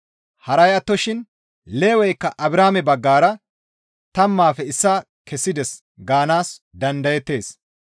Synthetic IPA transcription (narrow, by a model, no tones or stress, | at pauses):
hɐɾɐjɐt̪ːɔʃɪn | le̞ːwɛjkːɐʔɐbɾaːmɛbɐɡːaːɾɐ | t̪ɐmːaːfɛɪsːaː | kʰɛsːɪd̪ɛs | ɡaːnaːsd̪ɐnd̪ɐjɛt̪ːe̞ːs